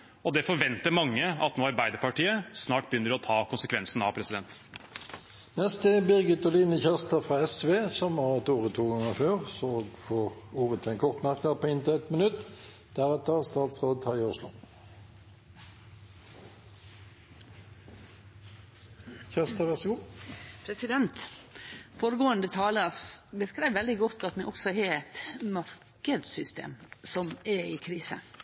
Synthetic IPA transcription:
ɔd̪ɛfɔɾʋɛnt̪əɾmɑŋːəɑt̪noːɑɾbæɪd̪əɾpɑʈiːəsnɑːʈ̚b̥əjʏnːəɖɔt̪ʰɑːkʰʊnsəkʰʋɛnsn̩ɑpʰɾɛsɪd̪ɛnt̪ | nɛst̪əbɪʁɡət̪ɔliːnəçæʁst̪əfʁɑːɛsʋeːsɔmʋɑɛt̪uːʁət̪ʰuːɡɑŋəføːʁsoɡfoːʁuːʁət̪ʰɛɪnkʰɔʁt̪mæʁknəpʰoːɪnt̪əɛt̪mənʉt̪ | d̪̥æʁɛt̪əʁst̪ɑːt̪sʁoːd̪ət̪hɑɪʊʃlʊ̰ | çɛʁst̪əʋæʁsɡuːpʰɾɛsɪd̪ɛnt̪ | foːɾəɡoːənd̪ət̪ʰɑːləɾsbəskɾæɪʋɛld̪ɪɡɔt̪ːɑt̪mɛʔɔksɔheːɛt̪mɑɾkəd̪sʏst̪ḛːmsɔmɛɪkʰɾiːsə̰

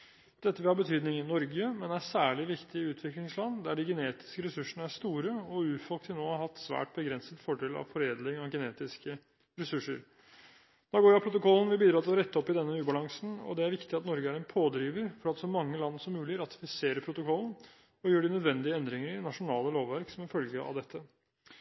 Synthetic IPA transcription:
d̪̥ɛt̪ːəʋɪlhɑbət̪ʰyːd̪nɪŋɪnɔɾɡəmɛnæsæːɭɪʋɪkt̪ɪʉːt̪ʰʋɪklɪŋslɑnːd̪æɖɪɡəneːt̪ɪ̥skəɾɛsʉʂəɳəæʂt̪uːɾəɔʉːfɔlkt̪ɪnoːɑhɑt̪ːsʋæ̰ːʈ̚bəɡɾɛnsət̪fɔɖeːlɑ̰ʋfɔɾeːd̪lɪŋɑʋɡɛneːt̪ɪskə | ɾɛsʉʂːə̰ɾ | d̪̥ɔɡoːjæpʰɾʊt̪ʊkʰɔlːn̩ʋɪbiːd̪ɾɑːt̪ɪlɔɾɛt̪ːəɔpːɪd̪ɛnːəʉːbɑlɑŋsn̩ɔ̰d̪ɛæɾʋɪkt̪ɪɑt̪nɔɾɡəæɾɛnpʰoːd̪ɾiːʋəɾfɔɾɑt̪sɔmɑŋːəlɑnːəsɔmːʉːlɪɾɑt̪ɪ̥fɪseːɾəpʰɾʊt̪ʊkʰɔlːn̩ | ɔjøːɖɪnœd̪ʋɛnd̪ɪəɛnd̪ɾɪŋəɾɪnɑʂʊnɑːləloːʋʋæɾksɔmɪfœlɡəʔɑ̰ʋd̪ɛt̪ʰːə

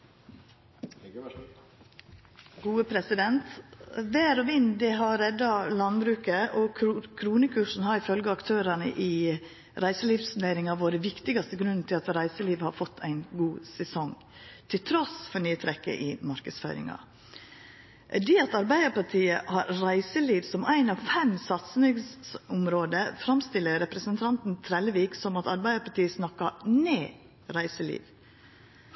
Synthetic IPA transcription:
ɡuːəpʰɾɛsɪd̪ɛnt̪ʋæːɾɔʋɪnd̪ɛɦɑɾɛd̪ːɑlɑnbɾʉːkəʔɔkkʰɾuːnəkʰʉʂn̩hɑɾɪfœlɡəɑkt̪ʰøːɾənə̰ʔɪː | ɾæɪsəliːʋsʉneɪɾɪŋɑʋoːɾəʋɪkt̪ɪɡɑst̪əɡɾʉnn̩t̪ʰɪlɑt̪ɾæɪsəliːʋhɑɾfɔt̪ʰːæ̰ɪnɡuːsɛsɔŋ | t̪ʰɪlt̪ʰɾɔsfɔɾnyːt̪ʰɾɛkːə̰ʔɪmɑɾkəsfø̰ːɾɪ̰ŋɑ̰ | d̪ɛːɑt̪ɑɾbæɪd̪əpɑʈʰiːəhɑɾɾæɪsəliːʋsɔmʔæɪnɑʋfɛmsɑt̪snɪŋsʊmɾoːd̪əfɾɑmst̪ɪlːəɾɛpɾəsənt̪ʰɑnt̪n̩t̪ʰɾɛləʋiːksɔmɑt̪ɑɾbæɪəpʰɑʈiːəsnɑkːɑneː | ɾæɪsəlḭːʋ

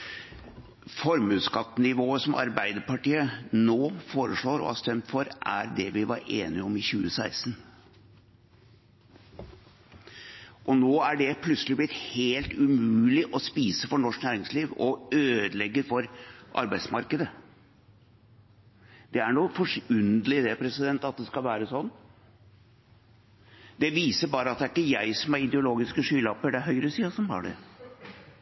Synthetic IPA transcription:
fɔɾmʉːskɑt̪ːənɪʋoːəsɔmʔɑ̰ɾbæɪd̪əɾpɑʈiːənoːfoːɾəʂɭoːɾɔ̰hɑ̰st̪ɛmt̪fɔɾʔæɾd̪ɛʋɪʋɑɾeːnɪɔmɪçʉːəsæɪsn | ʔɔnoːæɖɛpʰlʉsəlɪblɪt̪heːlt̪ʉmʉʉːlɪʔɔspiːsəfɔɳɔʂknæːɾɪŋsliːʋɔøːd̪lɛɡːəɾfɔɾʔɑ̰ɾbæɪd̪smɑɾkəd̪ə | d̪̥ɛæɳufɔʂʉnd̪lɪd̪ɛpʰɾɛsɪd̪ɛnt̪ɑt̪̚d̪ɛskɑlʋæːɾəsɔnː | d̪̥ɛʋiːsəɾbɑːɾəɑt̪̚d̪ɛæɾɪkːəjæɪsɔmæɾɪd̪ɛʊloːɡɪskəʂyːlɑpːəɖɛæɾɦœʏɾəsiːɑsɔmhɑ̰ːɖɛ̰

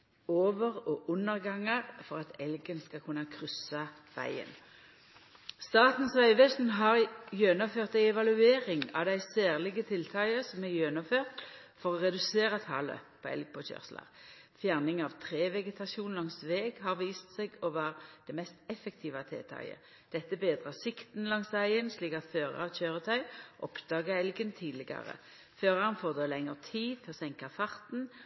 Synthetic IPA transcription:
oːʋəʁɔːʔʉnːəʁɡɑŋɑʁfɔʁɑt̪ʰɛlɡənskɑkʰʉnɑkʰʁʏsɑ | ʋæ̰ɪə̰n | st̪ɑːt̪n̩sʋæɪʋɛsn̩ɦɑːʁjønəføːʁt̪æɪɛʋɑlʉeːʁɪŋɑ̰ʋd̪æɪsæːʁlɪɡət̪ʰɪlt̪ʰɑɪəsɔmæjøːnəføːʁt̪fɔʁɔʁɛd̪ʉseːʁɑt̪ʰɑ̰lə̰pʰɔɛ̰lɡ̚pʰɔçœ̰ʁslɑ̰ʁ | fjæʁnɪŋɑʋt̪ʰʁeːʋɛɡət̪ʰɑʃuːnlɑŋsʋeːɡhɑʁʋiːst̪seɡɔʋæːʁd̪̥ɛmɛst̪ɛfəkt̪ʰiːʋɑt̪ʰḛːt̪ʰɑ̰ɪə̰ | d̪̥ɛt̪ːəbeːd̪ʁɑsɪkt̪n̩lɑŋsʋæɪənsliːkɑt̪føːʁɑ̰ɑʋçøːʁət̪ʰœʏʔɔpd̪ɑːɡɑɛlɡənt̪ʰiːd̪lɪɡɑ̰ʁə̰ | føːʁɑnfoːʁd̪oːlɛŋəʁt̪ʰiːt̪ʰɪɔsɛŋkɑfɑʁt̪n̩

